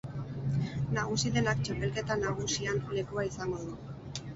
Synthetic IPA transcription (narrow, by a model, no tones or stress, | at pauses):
naɣ̞usiðe̞nakt͡ʃape̞lke̞t̪anaɣ̞usianle̞kuaisaŋɡo̞ðu